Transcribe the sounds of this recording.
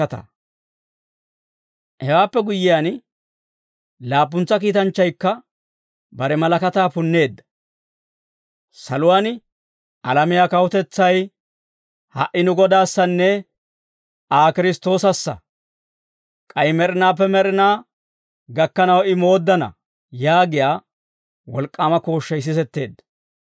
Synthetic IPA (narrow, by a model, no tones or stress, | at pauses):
ɐt̪ɐ̰ | hɛwaːpːɛɡʊjːɪjan | laːp̬ːʊnt͡sːɐk̬iːt̪ɐnt͡ʃːɐjkːɐ | bɐɾɛmɐlɐkɐt̪aːpʊnːe̞ːd̪ːɐ̥ | sɐlʊwan | ʔɐlɐmɪjaːkɐwʊt̪ɛt͡sːɐj | hɐ̰ʔːɪnʊɡɔd̪aːsːɐnːɛ | aːkɪɾɪst̪o̞ːsɐsːɐ̰ | kʼɐjmɛɾɪnaːp̬ːɛmɛɾɪnaː | ɡɐkːɐnɐwɪmo̞ːd̪ːɐnɐ̰ | jaːɡɪjaː | wɔlkʼːaːmɐko̞ːʃːɐjs̬ɪsɛt̪ːe̞ːd̪ːɐ̥